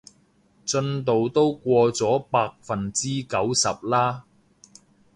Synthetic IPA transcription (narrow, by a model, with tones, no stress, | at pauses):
t͡sɵ˧nt̪o˨wt̪o˥wkʷɔː˧t͡sɔː˨˥paː˧k̚fɐ˨nt͡siː˥kɐ˨˥wsɐ˨p̚laː˥